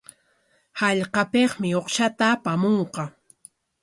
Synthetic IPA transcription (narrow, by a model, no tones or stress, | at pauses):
hɑʎqɑpeχmɪoqʃat̪aːpamoɴqɑ